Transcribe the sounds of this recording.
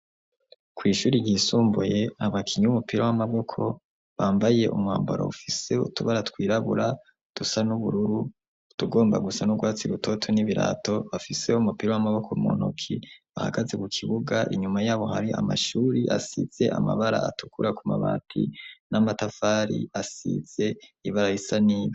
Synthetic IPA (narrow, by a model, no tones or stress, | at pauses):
kwiːʃuːɾiɟiisuːmbuje̞aβakʰiɲuumupiɾowamaβo̞kʰo̞ | βaːmbaje̞ʔumŋwa̰ːmboɾo̰ufise̞ṵtuβaɾatwiːɾaβuɾa | d̥usanuβuɾuɾu | tuɡo̞ːmba̰ɡusanuɡwaːt͡siɾutʰo̞tʰoniβiɾa̰to̞βafise̞umupiɾowamaβo̞kʰomo̰no̰kʰiβaha̰ɡaze̞kukʰiβuɡaʔiɲumajaːβo̞ha̰ɾiʔa̰maʃuːɾiʔasḭz̥e̞ʔa̰ma̰βaɾa̰a̰tukuɾakumaβa̰ːtʰḭnamatafaːɾḭasḭz̥e̞iβaɾajisaniːβi